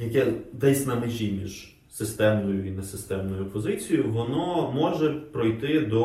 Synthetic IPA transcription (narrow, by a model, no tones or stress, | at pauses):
jɐkɛd̪ɛsʲnɐmɪʒʲimʲiʒ̥ | sɪst̪ɛmnʊjʊinesɪst̪ɛmnɔjʊpɔzɪt͡sʲijʊʋɔnɔmɔʒɛpɾɔjt̪ɪd̪ɔ